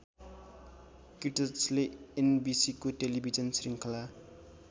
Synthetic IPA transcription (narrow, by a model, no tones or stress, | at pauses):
kiʈʌsleenbisikoʈelibʱid͡zʌnsriŋkʰʌla